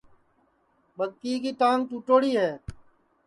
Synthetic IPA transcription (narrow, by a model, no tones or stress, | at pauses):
ɓəɡkiːkiːʈ̪ãːŋ̚t̪uːʈoːɽiːɦɛː